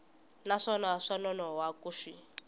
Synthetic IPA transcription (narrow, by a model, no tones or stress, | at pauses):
naʂɔlaʂɔnɔnɔwakuʂi